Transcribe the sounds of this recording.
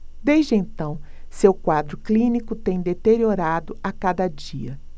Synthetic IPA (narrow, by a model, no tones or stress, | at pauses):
d̪ejzʒd͡ʒɪẽnt̪ɐ̃w̃ | sewkwad̪ɾʊklĩnikʊt̪ẽj̃d̪et̪eɾioɾad̪ʊakad̪ɐd͡ʒiɐ